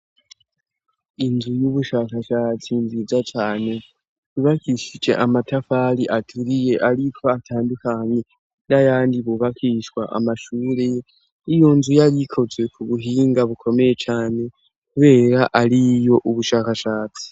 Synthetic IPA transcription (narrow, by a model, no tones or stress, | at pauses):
inzujuβuʃaːkaʃat͡sinzizat͡ʃaːne̞ | βiβakʰiʃid͡ʒe̞̰ʔamatafaliʔatʰuɾije̞ʔaɾikʰo̞atʰaːndikaɲe | ndajaːndiβuβakiʃwaʔa̰maʃuːɾe | ijo̞nzujajikʰo̞zwe̞kuβuɦiːŋɡaβukʰo̞mejet͡ʃaːne̞ | kuβe̞ːɾaʔalijo̞ʔuβuʃaːkaʃaːt͡si̥